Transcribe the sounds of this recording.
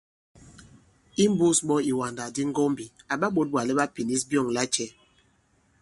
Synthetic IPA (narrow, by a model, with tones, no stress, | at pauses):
i˦m˦bu˦sɓɔ˦i˨wa˨nda˨di˦ŋ˦ɡɔ˦mbi˨a˨ɓa˦ɓo˦t̚ɓwa˨lɛ˦ɓa˦pi˨ni˦sbjɔ˦˨ŋla˦t͡ʃɛ˦